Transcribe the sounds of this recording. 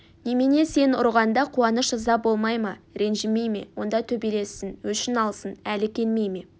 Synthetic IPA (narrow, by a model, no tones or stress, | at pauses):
nemene̞se̞nʊ̰ɾʁɑnd̪ɑqʰuwɑnəʃʒɑzɑbo̞lˠmɑjmɑɾe̞nʒɪme̞jme̞̰wo̞̰nd̪ɑt̪ʰɵbele̞sːɪnwɵʃɪnɑlˠsənælɪkʲʰe̞nme̞jme̞